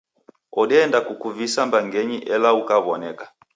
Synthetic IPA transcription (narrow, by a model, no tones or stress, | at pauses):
ɔɗɛːndakukuvisambaŋɡɛɲiʔɛlaukaβɔnɛka